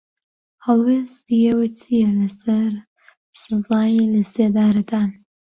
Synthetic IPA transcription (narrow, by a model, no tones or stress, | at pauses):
hɐlˠwest̪ijɛwɨt͡sʰijɛlɐsɐɾ | sɨzɑːjilɐseːd̪aːɾɐd̪aːn